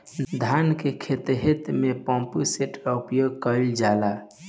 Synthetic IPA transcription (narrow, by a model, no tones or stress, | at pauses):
d̪ʱankekʰet̪ɦet̪mepɔ̃mpuseʈəupjoɡ̚kəɪld͡ʒala